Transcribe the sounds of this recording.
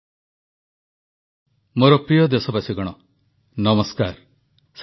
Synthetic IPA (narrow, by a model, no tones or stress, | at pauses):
moɾɔpɾijɔd̪esɔbasiɡɔɽ̃ɔ | nɔmɔskaɾ | s